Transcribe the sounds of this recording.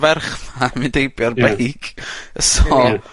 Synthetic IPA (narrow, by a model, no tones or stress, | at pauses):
vɛrχmamɨdejbjɔrbejɡəsɔ